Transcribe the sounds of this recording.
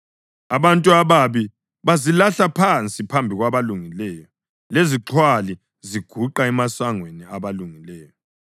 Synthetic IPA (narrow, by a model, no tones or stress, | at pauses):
aβantʼuaβaβi | βazilaɬapʰant͡sʼipʰambʱiɣwaβaluŋilɛːjɔ | leziǁʰwali | ziɡ̥ʱuǃaɛmasaŋweniaβaluŋilɛːjɔ